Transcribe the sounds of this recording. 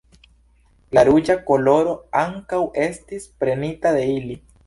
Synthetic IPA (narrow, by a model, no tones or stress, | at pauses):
laɾud͡ʒako̞lo̞ɾo̞aŋkawe̞stispɾe̞nitad̪e̞ili